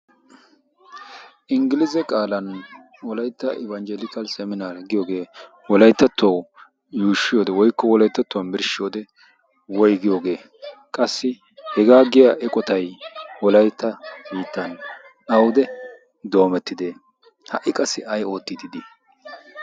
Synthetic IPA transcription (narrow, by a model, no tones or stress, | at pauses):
ʔɪŋɡɪlɪzɛkʼaːlɐn | wɔlɐjt̪ːɐʔɪ̰βɐnd͡ʒɛlɪkɐlsɛmɪnaːlɡɪjo̞ːɡe̞ː | wɔlɐjt̪ːɐt̪ːɐw | juːʃɪjoːd̪ɛwɔjkːɔwɔlɐjt̪ːɐt̪ːʊwɐnbɪɾʃɪjoːd̪ɛ | wɔjɡɪjoːɡe̞ː | kʼɐsːɪ | hɛɡaːɡɪjɐʔɛkʼɔt̪ɐjwɔlɐjt̪ːɐbiːt̪ːɐn | ɐwd̪ɛ | d̪o̞ːmɛt̪ːɪd̪eː | hɐ̰ʔɪkʼɐsːɪɐjo̞ːt̪ːɪd̪ɪd̪ɪ